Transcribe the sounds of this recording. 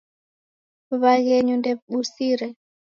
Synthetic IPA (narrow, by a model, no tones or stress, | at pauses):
βaɣɛɲundɛβɓusiɾɛ